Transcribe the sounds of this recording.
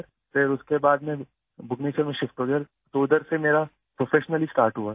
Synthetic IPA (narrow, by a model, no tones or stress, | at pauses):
ɾ | fɪɾʊskebaːd̪mẽ | bʊkneːt͡ʃəɾmẽʃɪfʈoːɡəɾ | t̪oʊd̪əɾsemeːɾa | pɾoːfʰeːʃnəlisʈaːɾʈɦua